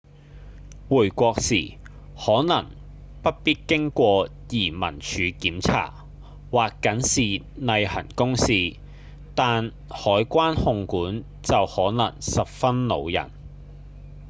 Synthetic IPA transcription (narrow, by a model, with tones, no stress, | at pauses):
wuː˨˩jkʷɔː˧ksiː˨˩ | hɔː˨˥nɐ˨˩ŋ | pɐ˥t̚piː˥t̚kɪ˥ŋkʷɔː˧ | jiː˨˩mɐ̰˨˩nt͡ʃʰyː˨˥kiː˨˥mt͡sʰa̰ː˨˩ | waː˨kːɐ˨˥nsiː˨ | nɐ˧jhɐ̰˨˩nkʊ˥ŋsiː˧ | t̪aː˨n | hɔː˨˥jkʷaː˥nhʊ˧ŋkuː˨˥n | t͡sɐ˨whɔː˨˥nɐ˨˩ŋsɐ˨p̚fɐ˥nlo̰˨˧wjɐ̰˨˩n